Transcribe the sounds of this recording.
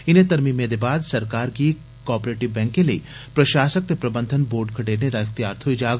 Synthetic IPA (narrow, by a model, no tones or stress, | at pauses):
ɪnẽt̪ɐɾmimẽd̪ebaːd̪sɐɾkaːɾki | kɔːpɾeːʈiʋbɛ̃ːŋkẽlḭːpɾɐʃaːsək̚t̪epɾɐbənd̪ʱənboːɾɖ̚kʰɐʈeːɾned̪aɪxt̪ijaːɾt̪ʰoid͡ʒaːɡ